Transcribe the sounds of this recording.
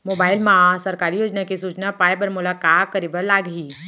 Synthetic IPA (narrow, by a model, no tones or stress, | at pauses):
moːbaːɪlmãsɐɾkaːɾijoːd͡ʒnakisuːt͡ʃnapaːjpɐɾmʊlakaːt̪̚kɐɾiːbəɾlaːɡɦiː